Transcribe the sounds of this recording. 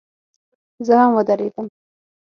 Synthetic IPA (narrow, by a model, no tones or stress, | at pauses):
zəhamwəd̪aɾed̪əm